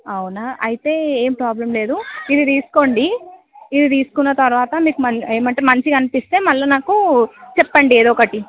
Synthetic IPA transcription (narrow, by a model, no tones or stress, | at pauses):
ɐwnɐʔɐjit̪e̞ːeːmpɾaːblɐmle̞ːd̪uid̪it̪iːsu̥ko̞ːɳɖiː | d̪it̪iːsu̥kunːɐt̪ɐɾuʋaːt̪ɐmiːkumɐne̞ːmɐɳʈeːmɐnt͡ʃikɐnipist̪e̞ːmɐlːɐnaːkut͡ʃɛpːɐɳɖieːd̪oːkɐʈi